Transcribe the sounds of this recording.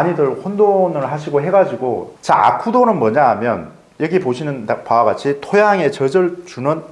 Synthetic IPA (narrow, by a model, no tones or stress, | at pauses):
aɲidɯɭɸondonɯɭɦaɕʰiɡoɦe̞ɡad͡ʑiɡo̰t͡ɕa̰a̰kʰudonɯnmʌɲaɦamjʌ̰n | jʌɡipoɕʰinɯnpawaɡat͡ɕʰitʰojaŋe̞t͡ɕʌd͡ʑʌɭt͡ɕunɯn